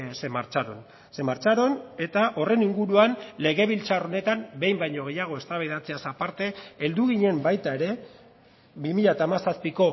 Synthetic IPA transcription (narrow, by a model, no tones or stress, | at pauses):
se̞maɾt͡ʃaɾo̞n | se̞maɾt͡ʃaɾo̞ne̞t̪aʔo̞re̞niŋɡuɾuanle̞ɣ̞e̞βilt͡ʃaro̞ne̞t̪ambe̞jmbajɲo̞ɣ̞e̞jaɣ̞o̞e̞st̪aβeðat͡se̞asapaɾt̪e̞ːld̪uɣ̞iɲe̞mbajt̪ae̞ɾe̞ | βimiʎat̪aːmasaspiko̞